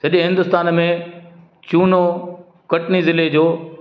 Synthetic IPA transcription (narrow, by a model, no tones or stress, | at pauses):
sɐɗẽɦɪ̃nd̪ʊst̪aːnmẽ | t͡ɕuːno | kɐʈnizɪled͡ʑoː